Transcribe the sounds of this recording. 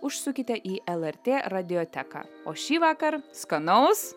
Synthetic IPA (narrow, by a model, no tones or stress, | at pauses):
ʊʃsʊkʲɪt̪ʲɛʔiːʔɛlˠɛɾʲt̪ʲeːɾɐd̪ʲɪjoːt̪ʲækɑ̰oːʃʲiːʋɑːkɐɾskɐnɐʊs